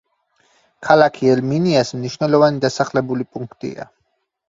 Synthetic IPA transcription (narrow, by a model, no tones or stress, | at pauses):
kʰalakʰiɛlminiasmniʃwnɛlˠɔvanid̪asaχlɛbulipʼuŋkʰt̪ʼḭa̰